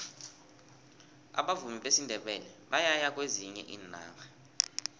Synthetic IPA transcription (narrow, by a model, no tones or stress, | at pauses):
a̰ɓavumiɓesindʱɛɓɛlɛɓajajak̬ʼweziɲɛ̰ʔiːna̰ːka